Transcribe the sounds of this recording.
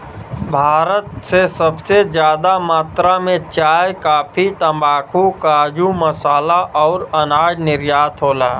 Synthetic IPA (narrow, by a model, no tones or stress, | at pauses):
bʱaːɾət̪sesəbsed͡ʒjaːd̪amaːt̪ɾamẽt͡ʃaːjkaːpʰit̪əmbaːkʰukaːd͡ʒuməsaːlaʔɔːɾɐnaːd͡ʒnɪɾjaːt̪ɦoːlaː